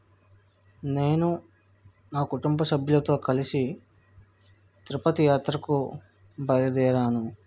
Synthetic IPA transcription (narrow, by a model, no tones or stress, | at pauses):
ne̞ːnu | naːkuʈumbɐsɐbʱjulɐt̪o̞ːkɐlisi | t̪ɾupɐt̪ijaːt̪ɾɐku | bɐjlɐd̪ɛːɾaːnu